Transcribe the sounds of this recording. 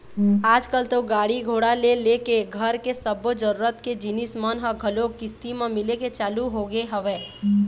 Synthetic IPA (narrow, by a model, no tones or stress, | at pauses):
aːd͡ʒkəlt̪oɡaːɽiɡʱoːɽalelekeɡʱəɾkesəbod͡ʒəɾuːɾət̪ked͡ʒɪnismənɦəɡʱəlokɪst̪imẽmɪleket͡ʃaːluɦoɡeɦəʋeː